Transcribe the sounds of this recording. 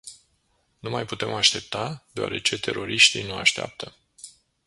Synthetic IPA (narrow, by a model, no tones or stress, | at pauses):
numajput̪e̞maʃt̪e̞p̚t̪ad̪eoa̰ɾe̞t͡ʃe̞t̪e̞̰ɾo̞ɾiʃt̪inua̰ʃt̪ea̰p̚t̪ʰə